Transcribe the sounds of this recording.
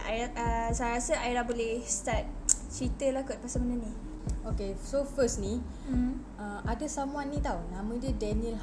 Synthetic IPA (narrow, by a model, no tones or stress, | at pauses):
ajəsajɾasəajiɾabolehst̪at̪̚t͡ʃit̪əlakʊt̪̚pasamənəni | okesofəsnĩ | əʔadəsamũãnːĩt̪awnãmə̃diədɛniəl